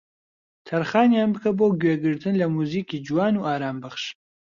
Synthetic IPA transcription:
t̪ʰɐɾχaːnjaːnbɨkʰɐboːwɡʲweːɡɨɾt̪ʰɨnlɐmuːziːkʰiːd͡ʒuwaːnuːʔaːɾaːmbɨχʃ

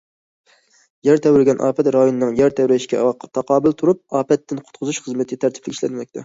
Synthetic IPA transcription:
jæɾt̪ʰɛwɾɪɡʲɛnʔɑ̰ːpʰɛt̪ɾɑjonɨnɨŋjæɾt̪ʰɛwɾɛʃkʲɛ̰wɑqʰːɑ̥t̪ʰɑqɑːbɪlt̪ʰuɾup̚ɑːpɛt̪ːɪnqʰʊ̥t̪̚qʰʊzuʃχəzmɨt̪ʰɪɡʲt̪ʰæɾt̪ʰɪ̥plɪɡʲiʃlɛnmɛk̚ʲt̪ʰɛ

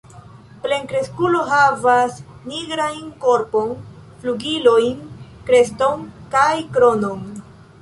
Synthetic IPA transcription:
ple̞ŋkɾe̞skulo̞ɦavasniɡɾajnko̞ɾpon | fluɡilojnkɾe̞sto̞nkajkɾo̞no̞n

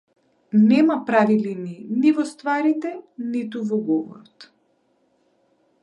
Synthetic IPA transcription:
nɛmapɾavilininivɔst̪vaɾit̪ɛnit̪uvɔɡɔvɔ̰ɾɔt̪

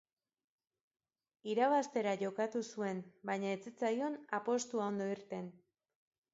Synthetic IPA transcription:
iɾaβ̞ast̪e̞ɾaʝo̞kat̪usue̞nbajɲaet͡sit͡sajo̞napo̞st̪uao̞nd̪o̞iɾt̪e̞n

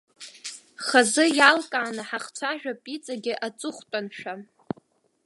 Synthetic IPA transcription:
χazɨjalkʼaːnɨħaχt͡sʷʰaʒᶣapʼit͡sʼaɡʲɪʔat͡sʼʊχʷtʼanʃᶣa

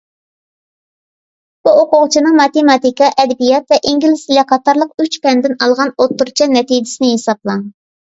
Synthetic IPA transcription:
b̥uoqʊʁt͡ʃʰinɨŋmɑt̪emɑt̪ikɑʔɛd̪ɛbijɑt̪vɛʔiŋɡʲilɪsilɛqʰɑt̪ɑɾlˠəq̚yt͡ʃpɛnd̪ɪnɑlˠʁɑnot̪ːuɾt͡ʃʰɑnɛt̪id͡ʒɪ̥sɪnɪɦesɑblˠɑŋ

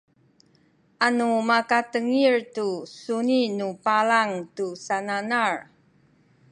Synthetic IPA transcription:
ʔanumakatəŋiɹtusuninupalaŋtusananaɹ

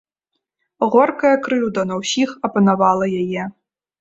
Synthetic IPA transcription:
ɣɔrkɐjɐkɾɨwd̪ɐnɐwsʲixɐpɐnɐvalˠɐjajɛ

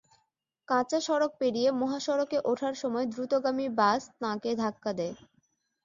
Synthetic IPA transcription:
kãt͡ɕaʃɔɾok̚peɽijemoɦaʃɔɾokeʔoʈʰaɾʃɔmɔed̪ɾut̪oɡamibast̪ãked̪ʱakːad̪ɛe

